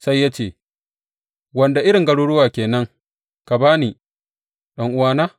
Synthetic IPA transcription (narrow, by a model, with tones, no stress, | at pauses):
sa˦jːaː˦t͡ʃeː˦˨ | wɐ˨nda˨ʔɪ˦ɽɪ˨ŋɡɐ˦ɽuː˦ɽʊ˦waː˨kʲeː˨nɐ˦ŋ | ka˨baː˦ni˨ | ɗɐ˦ŋʔʊ˦waː˦naː˦